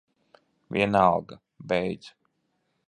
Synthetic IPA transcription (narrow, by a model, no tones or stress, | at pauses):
vʲḭɛnalˠɡa | bɛjd̪zu